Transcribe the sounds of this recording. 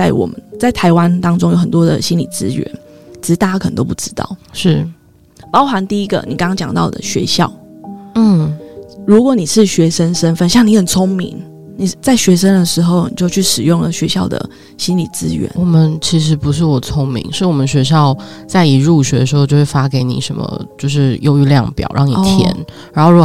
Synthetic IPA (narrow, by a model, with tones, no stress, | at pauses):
t͡sa˥˩ɪwɔ̰˨˩mə˦nt͡sa˥˩ɪt̪ʰa˧˥ɪwa˦nt̪ɑ˥ŋʈ͡ʂʊ˥ŋjo˧˥ʊxə˨˩nt̪wɔ˥d̪ə̰˨ɕi˥nlḭ˨˩t͡sɹ̩˦ɥɛ̰˧˦nt͡ɕʰi˧˩ʂ̩˧˥t̪a˥˩t͡ɕa˥kʰnə˧˦t̪o˥ʊpu˥˩ʈ͡ʂɻ̩˥t̪ɑ̰˥˩ʊʂɻ̩˥˩ | pɑ˥ʊxa˧˥nt̪i˥˩i˦˥ɡə̰˨ni˨˩kŋɑ˥ŋt͡ɕjɑ˨˩ŋt̪ɑ˥˩ʊd̪ə̰˨˩ɕɥɛ̰˧˥ɕjɑ̰˥˩ʊn̩˥˩ɻu˧˥kwɔ˧˥˦ni˨˩ʂɻ̩˥˩ɕɥɛ˧˥ʂə˦nʂə˦nfə˥˧˨nɕjɑ˥˩ŋni˧˥xə˨˩nt͡sʰo˥ŋmḭ˧˥ŋ | ni˨t͡sa˥˩ɪɕɥɛ˧˥ʂə˥nd̪ə˨ʂɻ̩˧˥xo˥˧ʊni˨˩t͡ɕjo˥˧ʊt͡ɕʰy˥˩ʂɻ̩˨˩jʊ˥˩ŋlə̰˩ɕɥɛ˧˥ɕjɑ˥˩ʊd̪ə̰˩ | ɕi˥nlḭ˨˩t͡sɹ̩˥ɥɛ̰˧˥˦nwɔ˨˩mə˦nt͡ɕʰi˧˥ʂ̬ɻ̩˧˥pu˧˦ʂ̬ɻ̩˥˩wɔ˨˩t͡sʰʊ˥ŋmḭ˧˦ŋʂɻ̩˥˩wɔ˨˩mə˧nɕɥɛ˧˥ɕjɑ˥˧ʊt͡sa˥˩ɪi˨˩ɻu˥˩ɕɥɛ˧˥ə˧˩ʂɻ̩˧˥o˥˧ʊt͡ɕo˥˧ʊwe˥˩fa˥ke˧˥ɪnḭ˨˩ʂə˧˦˥nmə̰˧t͡ɕjo˥˧ʊʂ̬ɻ̩˥˩jo˥˧ʊy˥˧ljɑ̰˥˨˩ŋpjɑ̰˨˩ʊɻʔɑ˥˩ŋni˨˧˩t̪ʰjjɛ̰˧˦nɻa˨˧˥nxo˥˧ɻu˥˩